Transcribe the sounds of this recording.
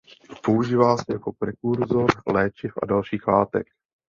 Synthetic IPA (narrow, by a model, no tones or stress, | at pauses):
po̞uʒiːvaːsɛjako̞pɾɛkuɾzoɾlɛːt͡ʃɪfʔa̰dalʃiːxlaːt̪ɛ̰k